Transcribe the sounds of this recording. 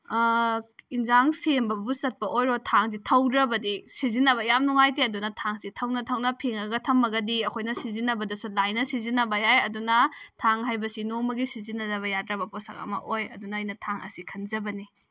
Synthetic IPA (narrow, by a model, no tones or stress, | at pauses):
inzaŋsembɐbusɐt̚pɐʔojɾotʰaŋs̬itʰɐwdɾɐbɐdisizinːɐβɐjamnuŋajteɐdunɐtʰaŋsitʰɐwnɐtʰɐwnɐpʰeŋɐɡɐtʰɐmːɐɡɐdiɐkʰojnɐsizinɐbɐdɐsulajnɐsizinɐbɐjajɐdunɐtʰaŋɦajbɐsinoŋmɐɡisizinːɐnɐβɐjadɾɐbɐposa̰ŋɐ̰mɐ̰ʔojɐ̰dunɐːjnɐtʰaŋʔɐ̰sikʰɐnzɐbɐni